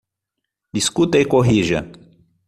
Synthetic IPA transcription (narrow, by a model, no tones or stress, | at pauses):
d̪iskut̪ɐjkoɦiʒɐ̰